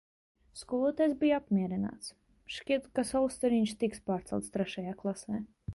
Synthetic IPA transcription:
skuɔlˠuɔt̪ajsbʲijapmʲiɛɾina̰ːt̪s | ʃcʲiɛt̪kasaust̪ɛɾiɲʃt̪ikspaːɾt̪sɛ̰lˠt̪st̪ɾɛʃajaːklˠasɛː

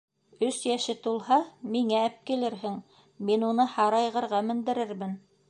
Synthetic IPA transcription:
ɵsjæʃɘt̪ulˠhɑmiŋææp̚kilɘɾɦɘŋ | minunɤhɑɾɑjʁɤ̆ɾʁɑmɘ̆nd̪ɘ̆ɾɘɾmɘn

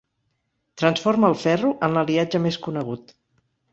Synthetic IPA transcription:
t̪ɾənsforməːlˠfɛruʔənləliad͡ʒəmeskunəɣ̞ut̪

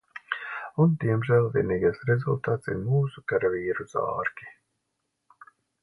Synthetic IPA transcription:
und̪iɛmʒæːlˠvʲiɛniːɡajsɾɛzṵlˠt̪aːt̪sḭɾmuːsukaɾaviːɾuz̥ɑ̰ːɾkʲi̥

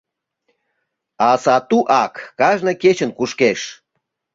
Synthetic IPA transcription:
ɑsɑt̪uʔɑkːɑʒnɤket͡ɕə̆nkuʃkeʃ

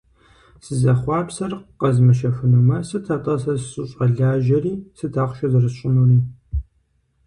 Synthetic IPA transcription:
sɨzɐχʷɑːpsɐrqɐzmɨʃɐfɨnɨmɐsɨtʰɐtʼɐsɐsɕʼɪɕʼɐɮaːʒɐriːsɨtʰaːχʷʃɐzɨrɨɕʼɪnuriː

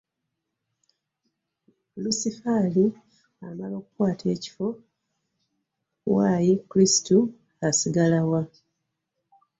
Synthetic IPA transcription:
lusifali | amalo̞ːkukwaːtʰe̞ːci̥fo̞ | wajikuɾistu | asiɡalawa

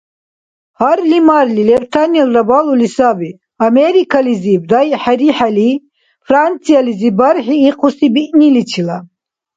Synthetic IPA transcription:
haɾlimaɾlilɛbt̪ʰanɛlɾabalulisabi | amɛɾikʰalizib̚d̪ajħaɾiħali | fʰɾant͡sʰializibaɾħiːqʰusibiʔnilit͡ʃʰila

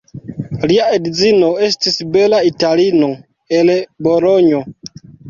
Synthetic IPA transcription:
liaedizinoestisbelaitalino | elboloɲo

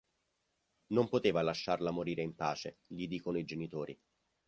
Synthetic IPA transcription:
nompot̪eːvalaʃːarlamoɾiːɾeimpaːt͡ʃeʎid̪iːkonoid͡ʒenit̪oːɾi

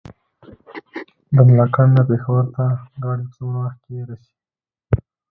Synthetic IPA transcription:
d̪əmlɑkand̪əpexawəɾt̪aɡɑɽipət͡sonwəxkeɾase̥i

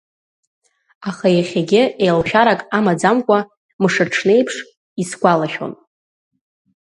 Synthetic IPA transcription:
aχajaχʲaɡʲɪejlʃᶣaɾakʼamad͡zamkʷʼa | mɨʂɨʈ͡ʂʰne̞jpʰʂ | isɡʷalaʃᶣo̰n

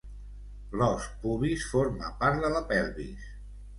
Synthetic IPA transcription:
lɔspuβisfoɾma̰paɾt̪ðəlapɛlˠβḭs

